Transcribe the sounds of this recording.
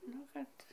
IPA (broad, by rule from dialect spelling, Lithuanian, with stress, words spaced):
ˈnʊ kɐt